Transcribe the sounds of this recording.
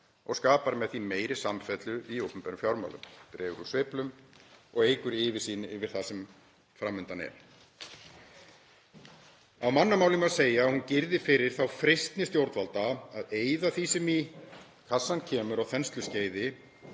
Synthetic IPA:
ɔ̰ɣskaːpaɾmɛðθimeːjɾɪsamfɛt̪lʏʔiowpʏmpajɾʏmfjawɾma̰ːwlʏ̰mpɾɛːɣʏɾusvɪːplʏmɔɣeːjkʏɾɪːvɪsiːnɪɪvɪɾ̥θasɛm | fɾamːʏnt̪anɛ̰ɾ̥ | awmanːamaːwlɪmaðseːjaːhuncɪɾðɪfɪɾɪɾ̥θawfɾejst̪nɪst̪jowɾt̪valt̪aaðeːjðaθisɛmi | kʰasːancʰɛːmʏɾawθɛnst̪lʏsceːjðɪ

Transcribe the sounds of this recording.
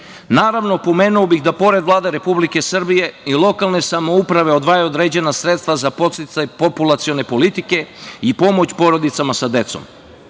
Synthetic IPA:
naːɾaʋno̞po̞me̞ːnuobixd̪apo̞ɾe̞d̪ʋlˠaːd̪e̞ɾe̞publike̞sr̩bije̞ilˠo̞kalˠne̞samoupɾaʋe̞od̪ʋaːjeo̞d̪ɾe̞ːd͡ʑe̞nasɾet̪st̪vʋazapo̞t̪sit̪sajpo̞pulˠat̪sio̞ne̞po̞lit̪ike̞ipo̞mot͡ɕpo̞ɾo̞d̪it̪samasad̪e̞t̪so̰m

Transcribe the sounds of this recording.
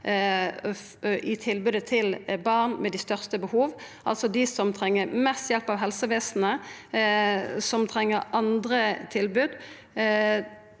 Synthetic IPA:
ʔɪt̪ʰɪlbʉːd̪ət̪ʰɪlbɑʁnmɛd̪ɪst̪œʁst̪əbəhuːʋ | ʔɑlsɔd̪ɪsɔmt̪ʰʁɛŋːəmɛst̪jɛlpɑʋɦɛlsəʋeːsn̩ə | sɔmt̪ʰɾɛŋːəɾʔɑnd̪ɾət̪ʰɪlbʉːd̪

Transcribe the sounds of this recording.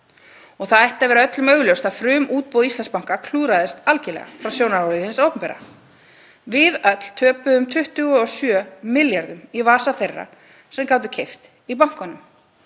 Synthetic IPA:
ɔɣθaðɛht̪avɛːɾaœt̪lʏmœɥɣljœwst̪aðfɾʏːmuːt̪̚powðist̪ɛnspaŋ̥kakʰl̥uːɾaðɪst̪alcɪlɛ̰ɣa̰fɾawsjownaɾawliɪnsawkʏmpɛːɾa̰ | vɪðœt̪l̥t̪ʰœːpʏðʏmt̪ʰʏht̪ʏɣʏɔsjœːmɪljaɾðʏmivaːsaθejrːa̰ | sɛmkaːwt̪̬ʏ̥cʰejft̪ | ip̬awŋ̥kɔnʏm

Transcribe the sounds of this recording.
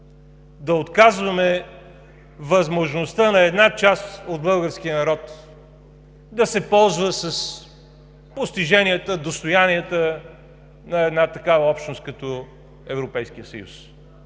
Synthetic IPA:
d̪ɐot̪kazvɐmɛ | vəzmoʒnost̪ənɐɛd̪nat͡ʃast̪od̪̚bɤlˠɡəɾsk̟ijənɐɾɔt̪ | d̪ɐsɛpɔlˠzvəsɐs | post̪iʒɛniət̪əd̪ost̪ojaniət̪ə | nɐɛd̪nat̪ɐkavəɔpʃt̪nost̪̚kɐt̪o | ɛvɾopɛjskiəsə̰jṵs

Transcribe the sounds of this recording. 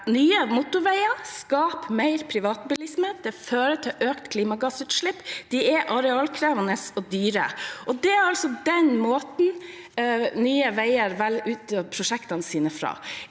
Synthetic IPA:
nyːəmʊt̪ʊʋæɪɑskɑːpmæɪɾpʰɾɪʋɑːt̪bɪlɪsm̩et̪̚d̪ɛføːɾət̪ʰɪlʔøːkt̪kʰliːmɑɡɑsʉːt̪ʃʂɭɪpːd̪̥ɪɛʔɑɾɛɑːlkʰɾeːʋɑnəsɔd̪yːɾə̰ɔd̪ɛɾɑlsɔd̪ɛnmoːt̪n̩ | nyːəʋæɪəɾʋɛlʉːt̪ːɪɔpʰɾʊʂɛkt̪ɑnəsiːnəfɾɑ̰ː

